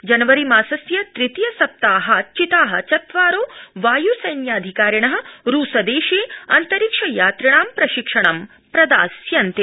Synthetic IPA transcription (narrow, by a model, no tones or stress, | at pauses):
d͡ʒɐnɐʋɐɾimaːsɐsjɐt̪ɾit̪ijɐsɐp̚t̪aːɦɐt͡ʃit̪aːɦɐ̰̆t͡ʃɐt̪ʋaːɾoːʋaːjusɐjnjaːd̪ʱikaːɾjɐɳɐɦɐ̆ɾuːsɐd̪eːʃeːɐnt̪ɐɾikʂɐjaːt̪ɾɐɳaːmpɾɐʃikʂɐɳɐm | pɾɐd̪a̰ːsjɐnt̪e